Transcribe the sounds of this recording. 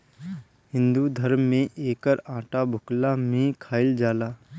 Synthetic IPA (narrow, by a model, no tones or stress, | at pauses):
ɦɪ̃nd̪ud̪ʱəɾmːẽʔeːkəɾãːʈabʱʊklamẽkʰaːɪld͡ʒaːlaː